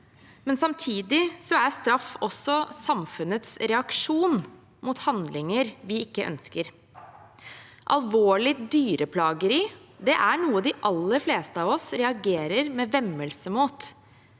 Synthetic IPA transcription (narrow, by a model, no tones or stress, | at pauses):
mɛnsɑmt̪ʰiːd̪ɪsɔæɾst̪ɾɑfːɔsːɔsɑmfʉnət̪sɾɛɑkʂuːn | mʊt̪hɑnd̪lɪŋəɾʋɪɪkːəʔœ̰nskəɾ | ʔɑ̰lʋoːɭɪd̪yːɾəpʰlɑːɡəɾɪd̪ɛʔæɳuːəd̪ɪʔɑlːəɾfleːst̪əɑːʋɔsɾɛɑɡeːɾəɾmɛːʋɛmːəlsəmuːt̪